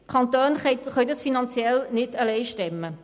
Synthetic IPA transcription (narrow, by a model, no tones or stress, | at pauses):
kʰɑnt̪oːnχɛχœjdɑsfinɑnt͡sjɛlnɪdəlɛɪʃtɛmːə